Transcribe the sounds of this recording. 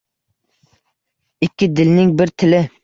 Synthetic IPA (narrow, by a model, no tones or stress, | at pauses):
ɪkʲːɪd̪ɪlnɪŋbɪɾt̪ʰɪlɪ